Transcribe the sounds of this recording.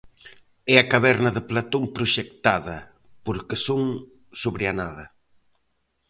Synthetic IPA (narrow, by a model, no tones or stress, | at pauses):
ɛɐkaβɛɾnɐðɪplat̪oŋpɾʊʃekt̪aðɐ | poɾkesoŋ | soβɾeanaðɐ